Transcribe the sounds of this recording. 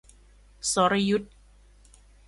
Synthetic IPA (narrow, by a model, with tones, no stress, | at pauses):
so˨˦ɾa˧ju˦˥t̪̚